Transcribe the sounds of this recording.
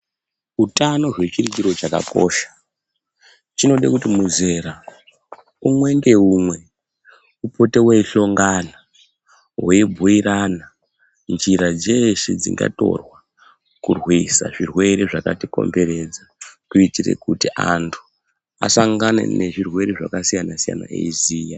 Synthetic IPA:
utano̞ʐwe̞t͡ʃirit͡ʃiɾo̞t͡ʃaka̰ko̞̰ːʃḁ | t͡ʃino̞ɗḛkutimuze̞ɾa | umwe̞ŋɡe̞umwe̞ | upo̞teweiɬo̞ŋɡana | weibʱuiɾana | nd͡ʒiɾad͡zeʃed͡zḭŋɡa̰to̞̰rwa | kurwisa̰ʐirwe̞ɾeʐakatiko̞̰mbe̞ɾe̞d͡zakuitirḛkutiʔantʰu̥ | a̰saŋɡanḛne̞ʐirwe̞ɾeʐakasijanasija̰na̰ḛiziːja

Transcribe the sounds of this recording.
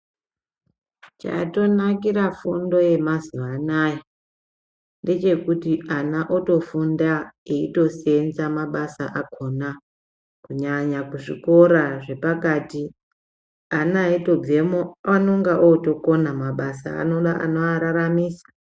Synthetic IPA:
t͡ʃa̰to̞nakiɾafundo̞je̞maziʋanaːja | nde̞t͡ʃe̞kutiʔanaʔoto̞fundaeito̞se̞nzamaɓasaʔakʰo̞na | kuɲaɲakuʐḭko̞ɾaʐe̞pakaːti | anaito̞b͡vemoanoŋɡaʔoto̞ko̞namaɓasa̰ːnoɗaa̰noaɾaɾamiːsḁ

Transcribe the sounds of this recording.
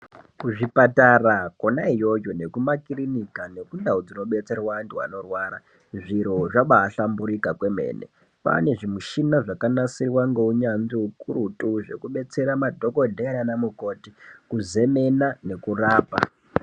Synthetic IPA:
kuʐipatarakonaijojone̞kumakirinikane̞kundaud͡zino̞ɓe̞t͡se̞rwandiwa̰no̞rwaːɾa̰ | ʐiɾo̞ʐaɓaːɬambuɾikakwe̞me̞̰ːne̞̰ | pa̰ne̞ʐimuʃinaʐakanasirwaŋɡeuɲanziukuɾutʼuʐe̞̰kuɓe̞t͡se̞ɾamadʱo̞ko̞dʱeɾanamuko̞ːtikuze̞me̞nane̞kuraːpa̰

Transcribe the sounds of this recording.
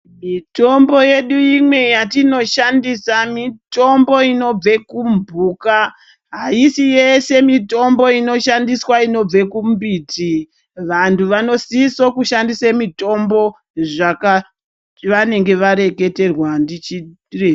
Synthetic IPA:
mito̞mbo̞je̞ɗuimwe̞jatino̞ʃandisamito̞mbo̞ino̞b͡vekumbʱuːka | ɦaisijese̞mito̞mbo̞ino̞ʃandiswaino̞b͡ve̞kumbiːti | ʋantʰuʋano̞sisokuʃandisemito̞mbo̞ | ʐaka | ʋane̞ŋɡe̞ʋaɾe̞ke̞te̞rwandit͡ʃi | rea

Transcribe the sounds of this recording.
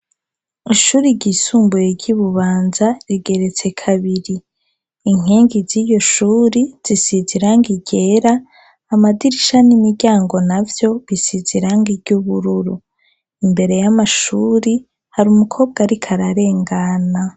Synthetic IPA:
iʃuːɾiɾɟisuːmbujeɾɟiβuβaːnzaɾiɡe̞ɾe̞t͡se̞kʰaβiɾiː | ŋ̥eːŋɡiziːjo̞ʃuːɾiz̥isiziɾaŋɡiɟe̞ɾaː | madiɾiʃanimiɟaːŋɡo̞navjo̞βisiziɾaŋɡiɾɟuβuɾuɾu | imbe̞ɾe̞jamaʃuːɾi | haɾumukʰo̞ːb̚ɡaɾikʰaɾaɾe̞ːŋɡana

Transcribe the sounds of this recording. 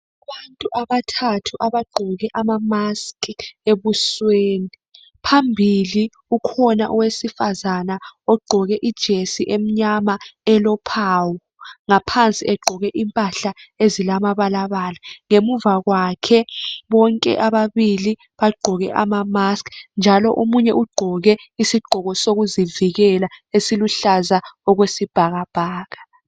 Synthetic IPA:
βantʼuʔaβatʰatʰuʔaβaɡ͡ǃʱɔɣɛʔamamaskʰeβusweːni | pʰambʱili | ukʰɔnaʔɔwesifazanaɔɡ͡ǃʱɔɣɛʔid̥ʒ̥ʱesiʔem̩ɲamaɛlɔpʰaːwɔ | ŋapʰant͡sʼiɛɡ͡ǃʱɔɣɛʔimpʼaɬaezilamaβalaβalaŋemuvaɣwakʰɛβɔŋkʼɛ̰ʔaβaβili | βaɡ͡ǃʱɔɣɛ̰ʔamamasknd͡ʒʱalɔʔomuɲɛʔuɡ͡ǃʱɔɣɛisiɡ͡ǃʱɔɣɔsoɣuziviɣɛlaesiluɬazaɔɣwesib̥ʱaɣab̥ʱaːɣa

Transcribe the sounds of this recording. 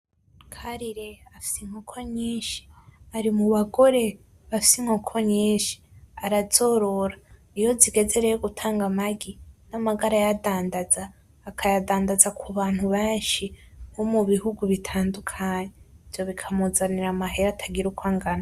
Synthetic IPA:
kʰaɾiɾeafi̥siŋ̥hokʰoɲiːnʃi̥aɾimuβaɡo̞ɾe̞ | βafi̥siŋ̥hokʰoɲiːnʃi̥aɾaz̥o̞ːɾo̞ɾa | ijo̞ziɡe̞ze̞ɾejoɡutʰaːŋɡamaɡinamaɡaɾajadaːndazaː | kʰajadaːndazakʰuβaːn̥huβeːnʃiβomuβihuɡuβitʰaːndukʰaɲeivjo̞βikʰamuzaniɾamaɦeɾatʰaɡiɾukʰwaŋɡana

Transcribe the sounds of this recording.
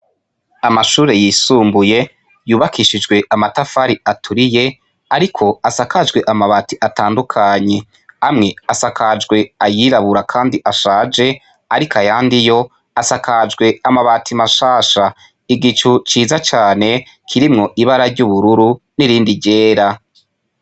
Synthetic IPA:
amaʃuːɾe̞jiːsuːmbuje̞ | juːβakʰiʃid͡ʒɡwe̞ʔamatafaɾiatʰuɾije̞ | aɾikʰo̞asakad͡ʒɡwe̞ʔamaβatiʔataːndukʰaɲe̞ | amŋe̞asakad͡ʒɡwe̞ajiɾaβuɾakʰaːndiʔaʃaːd͡ʒe̞ | aɾikʰajaːndijo̞ | asakad͡ʒɡwe̞amaβatʰimaʃaːʃa | iɡit͡ʃut͡ʃiːzat͡ʃaːne̞ | kʰiɾimŋo̞ʔiβaɾaɾɟuβuɾuɾu | niɾiːndiɾɟe̞ːɾa

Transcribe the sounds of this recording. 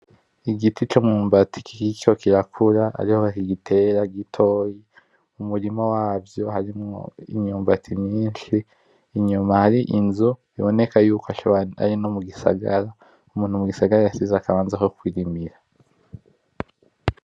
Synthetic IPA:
iɡitit͡ʃomŋuːmbatʰi̥ki̥ikokiɾakʰuɾaa̰ɾihoakiɡitʰeɾaɡitʰo̞ːji | umuɾimawaːvjo̞haɾimŋo̰ḭɲuːmbatʰimɲiːnʃiː | ɲumahaɾiʔinzu | iβone̞kajuːkoaʃa̰ɾinomuɡisa̰ɡaɾa | umuːnhumuɡisaɡaɾajasizakaβaːnzako̞kwiɾimiɾa

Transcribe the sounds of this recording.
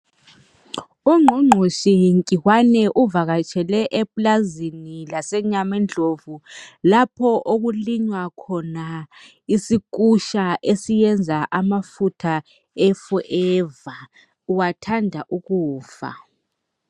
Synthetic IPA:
uŋ͡ǃʱuŋ͡ǃʱuʃiŋkʼiwanɛʔuvaɣat͡ʃʰʼɛlɛʔɛpʼlazinilasɛɲamɛnd͡ɮʱovulapʰɔʔoɣuliɲwakʰɔna | isik̬ʼuʃaʔesijɛnd͡zʱaʔamafutʰa | ɛfɔʔɛva | uwatʰandʱaʔuɣuːfa̰

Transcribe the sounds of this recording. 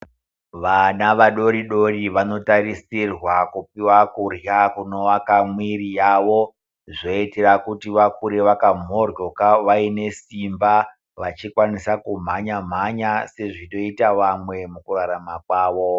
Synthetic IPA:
ʋanaʋaɗo̞ɾiɗo̞ɾiʋano̞taɾisirwakupiwakurjakuno̞ʋakamwiɾijaːʋo̞ | ʐo̞iteɾakutiʋakuɾeʋakam̤o̞rjo̞kaʋaine̞simba | ʋat͡ʃikwanisakum̤aɲam̤aɲase̞ʐiɗo̞itaʋamwe̞mukuraɾamakwaːʋo

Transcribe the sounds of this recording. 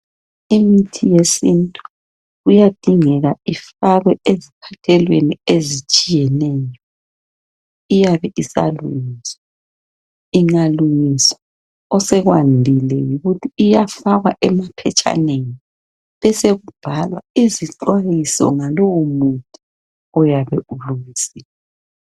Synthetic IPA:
imitʰijesintʼu | ujad̥ʱiŋɛɣaifaɣwɛezipʰatʰɛlweniezit͡ʃʼijɛnɛːjɔ | ijaβɛʔisa̰luŋiswa | iŋaluŋisa | ɔsɛɣwandʱilɛjuɣutʰiːjafaɣwaʔɛmapʰɛt͡ʃʼa̰neŋi | βɛseɣub̥ʱalwaiziǃwajisɔ̰ŋalɔwomutʼu | ɔjaβɛʔuluŋisila

